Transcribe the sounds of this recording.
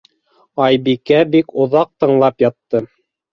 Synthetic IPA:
ɑjbikæbikŏðɑq̚t̪ɤ̆ɴlˠɑpjɑt̪ːɤ

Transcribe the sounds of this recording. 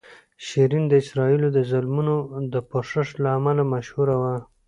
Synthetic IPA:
ʃiɾind̪əɪsɾɑilod̪əzʊlmunod̪əpoʂəʂlaːmalamaʃhuɾawa

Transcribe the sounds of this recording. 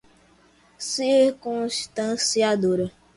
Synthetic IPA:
siɾkũst̪ãsiad̪oɾə

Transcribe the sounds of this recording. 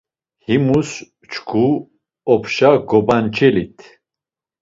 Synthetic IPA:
himus | t͡ʃʰkʰu | ɔpʰʃaɡɔbant͡ʃʰɛlit̪ʰ

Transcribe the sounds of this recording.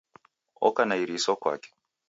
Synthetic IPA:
ɔ̰kanaiɾisɔkwa̰kɛ̥

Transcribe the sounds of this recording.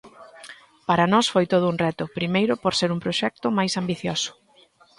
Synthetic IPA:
paɾɐnɔsfojt̪oð̞ʊuŋrɛt̪ʊpɾimejɾʊpoɾseɾumpɾoʃɛk̚t̪ʊmajsambiθjosʊ̥

